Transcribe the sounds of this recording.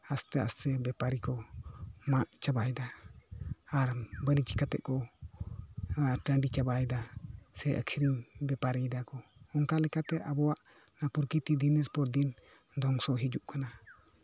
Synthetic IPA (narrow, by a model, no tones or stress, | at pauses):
ast̪ɛa̰st̪ɛbɛpaɾikɔ | maʔt͡ʃabajd̪aː | ɾbənit͡ʃikat̪ɛʔkɔ | aʈəɳɖit͡ʃabajd̪asɛʔə̰kʰiɾimbɛpaɾid̪akɔɔŋkalɛkat̪ɛʔabɔwaʔ | napuɾkit̪id̪inɛspɔɾd̪in | d̪ɔŋsɔɦid͡ʒuʔkana